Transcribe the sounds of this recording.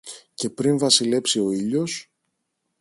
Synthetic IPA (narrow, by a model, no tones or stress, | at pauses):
ce̞pɾinvɐsile̞psio̞iʎo̞s